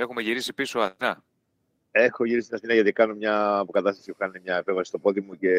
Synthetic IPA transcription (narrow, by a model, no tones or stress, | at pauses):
e̞xumeʝiɾisipisoɐinɐ | e̞xoʝiɾisit̪inɐsθinɐʝɐt̪ikɐno̞mɲɐːpo̞kɐt̪ɐst̪ɐsiuxɐnimɲɐepevɐsist̪o̞po̞ðimuce̞